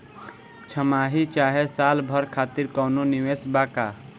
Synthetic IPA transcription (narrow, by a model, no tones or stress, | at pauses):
t͡ʃʰəmaːɦit͡ʃaːɦesaːlbʱəɾkʰaːt̪iɾkɔːnoniʋeːsbaːka